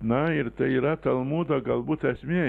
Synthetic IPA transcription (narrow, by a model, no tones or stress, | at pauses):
naiɾt̪ɐiɾat̪ɐlˠmud̪aɡalˠbuːt̪æsʲmʲiɛ